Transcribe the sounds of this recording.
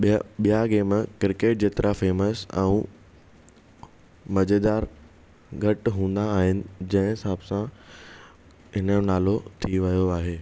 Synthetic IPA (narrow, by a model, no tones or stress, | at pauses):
ɓijaɡeːmkɪɾɪkeːʈ̚d͡ʑeːt̪ɪɾʔafeːməsɛ̰̃ũ | mɐd͡ʑed̪aːɾ | ɡʱɐʈɦũːn̆d̪aːɦɪnɪ̆d͡ʑɐ̃ɦɪ̃ɦɪsaːbsã | ɦɪnəonaːlot̪ʰiʋɐjoaːɦeː